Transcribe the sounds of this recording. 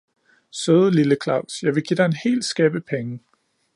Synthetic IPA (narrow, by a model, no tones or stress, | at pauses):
søːðˠəliləkʰlɑ̈ʊ̰sjɑ̈ɪʋe̝ɡ̥id̥ɑ̈e̝nhe̝̰ːl̥sɡ̥ɛːb̥əpʰeŋə